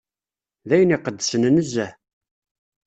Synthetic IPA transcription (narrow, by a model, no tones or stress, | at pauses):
ðæjəniqəd̪ːəsənnəzːæ